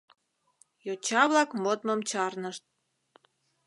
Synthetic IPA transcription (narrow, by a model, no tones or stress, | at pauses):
jot͡ɕɑβlɑkmot̪məmt͡ɕɑrnəʃt̪̚